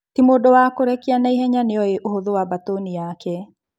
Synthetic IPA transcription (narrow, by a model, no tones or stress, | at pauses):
timodɔwakoɾɛkianaiɦɛɲaneɔeʔohoðowabatonijakɛ